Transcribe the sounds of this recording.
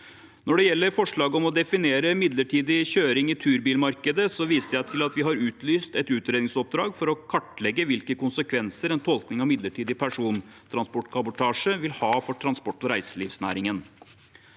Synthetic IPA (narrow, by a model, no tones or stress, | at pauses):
nɔɖɛjɛlːəɾfɔʂɭɑːɡɔmɔd̪ɛfɪneːɾəmɪd̪ləʈʰiːd̪ɪɕøːɾɪŋɪt̪ʰʉːɾbiːlmɑɾkəd̪əsɔʋiːsəɾjæɪt̪ʰɪlɑt̪ʋɪɦɑɾʉːt̪lyːst̪ɛt̪ʉːt̪ɾeːd̪ɪŋsɔp̚d̪ɾɑːɡfɔɾɔkʰɑʈːlɛɡːəʋɪlkəkʊnsəkʰʋɛnsəɾɛnt̪ʰɔlknɪŋɑʋmɪd̪ləʈʰiːd̪ɪpʰæʂuːn | t̪ʰɾɑnspɔʈːkʰɑbʊʈʰɑːʂəʋɪlhɑːfɔʈʰɾɑnspɔʈːɔɾæɪsəliʋsnæ̰ːɾɪŋən